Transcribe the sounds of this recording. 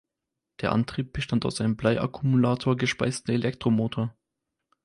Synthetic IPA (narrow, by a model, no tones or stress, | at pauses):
d̥eːɐʔa̰ntʁ̥iːp̚b̥əʃtanta̰ʊsʔaɪnəmblaɪʔa̰kʰumulaːtʰoːɐɡəʃpa̰ɪstəelɛk̚tʁ̥omoːtʰoːɐ